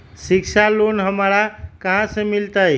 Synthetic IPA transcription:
sikt͡ʃʰalonɦəmɾakəɦãsə̃milt̪əj

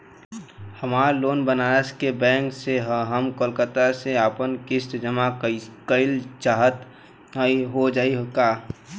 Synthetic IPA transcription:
həmaːɾloːnbənaəskebɛ̃ːŋkseɦəɦəmkəlkət̪aseapənkɪst̪d͡ʒəmakəɪlt͡ʃaːɦət̪ | iɦod͡ʒaːiɦokaː

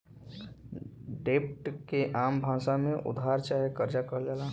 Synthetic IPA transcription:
ɖeːp̚ʈkeʔaːmbʱãːsamẽʔʊ̰d̪ʱaːɾt͡ʃaːɦekəɾd͡ʒakəɾlalaː

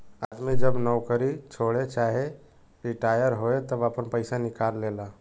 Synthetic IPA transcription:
aːd̪mid͡ʒəbnɔwkəɾit͡ʃʰoːɽet͡ʃaːɦe | ɾiʈaːjəɾɦoːet̪əbaːpənpəɪsanɪkaːlːeːlaː

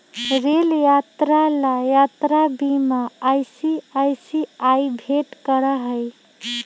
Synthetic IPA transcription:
ɾeljat̪ɾalajat̪ɾabimaajsiajsiajbʱeʈkəɾəɦəj

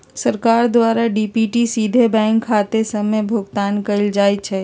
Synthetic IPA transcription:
səɾkaːɾd̪ʋaːɾaɖipiʈisiːd̪ʱebɛ̃ːŋkʰːaːt̪esəmebʱʊɡt̪aːnkəɪld͡ʒaːjt͡ʃʰɛ

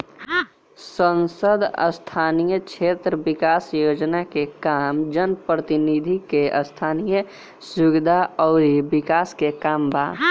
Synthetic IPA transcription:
sə̃nsəd̪ə̰st̪ʰaːnijəkt͡ʃʰeːt̪ɾəʋɪkaːsjoːd͡ʒnakekaːmd͡ʒənpɾət̪ɪnid̪ʱikeʔəst̪ʰaːnijə | sʊɡɪd̪ʱaɔːɾibɪkaːskekaːmbaː

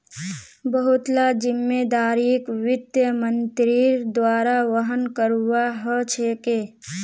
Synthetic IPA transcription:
bəɦʊt̪lad͡ʒɪmːeːd̪aːɾikwɪd̪jəmənt̪ɾɪɾd̪waːɾaʋəɦənkəɾuwaɦət͡ʃʰekeː

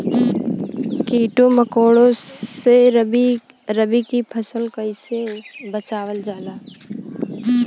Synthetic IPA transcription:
kiːʈoməkoːɽõse | ɾəbikipʰəsəlkəɪsebət͡ʃaːwəld͡ʒaːlaː

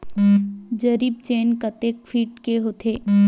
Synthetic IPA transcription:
d͡ʒəɾiːb̚t͡ʃeːnkət̪eːk̚ʈfʰiːʈkeɦoːt̪ʰeː

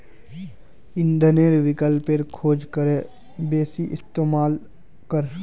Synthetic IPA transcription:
ɪ̃nd̪ʱəneɾʋɪkəlpeɾkʰoːd͡ʒkəɾe | beːsiʔɪst̪eːmaːl | kəɾ

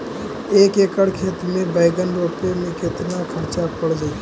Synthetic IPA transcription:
eːkeːkəɽkʰeːt̪mẽbəɪɡənɾoːpemẽkɪt̪nakʰəɾt͡ʃapʰəɽd͡ʒaːi

